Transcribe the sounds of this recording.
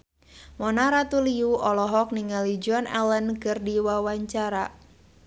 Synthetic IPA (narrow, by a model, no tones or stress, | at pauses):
mɔnaɾat̪uliuɔlɔɦɔk̚niŋalid͡ʒɔnɛ̰lənkɨrdiwawaɲt͡ʃaɾa